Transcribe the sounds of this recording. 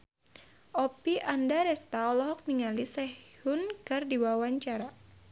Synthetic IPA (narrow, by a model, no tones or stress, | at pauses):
ʔɔpiʔandaɾɛst̪aɔlɔɦɔk̚niŋalisɛhhunkɨrdiwawaɲt͡ʃaɾa